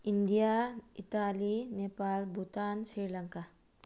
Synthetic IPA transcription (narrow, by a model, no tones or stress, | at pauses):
ind̪ijaːit̪aːlineːpaːlbʱut̪aːnsiːɾlɐŋka